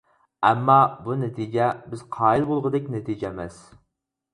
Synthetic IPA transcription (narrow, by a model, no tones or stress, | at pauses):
ɛmːɑbunɛt̪ʰid͡ʒɛbɪz̥qʰɑːilˠbolˠʁəd̪ɛkʲnɛt̪ʰid͡ʒɛmɛs